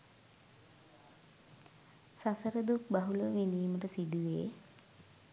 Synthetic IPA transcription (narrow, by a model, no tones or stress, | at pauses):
sasəɾəd̪ukbaɦuləʋiniːməʈəsid̪uʋeː